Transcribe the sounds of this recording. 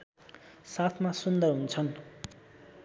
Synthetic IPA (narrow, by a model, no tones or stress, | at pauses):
sat̪ʰmasund̪ʌrɦunt͡sʰʌn